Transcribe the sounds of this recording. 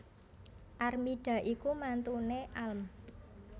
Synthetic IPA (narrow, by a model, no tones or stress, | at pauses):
ʔarmiɖ̥ä̤ʔikumant̪uneʔalm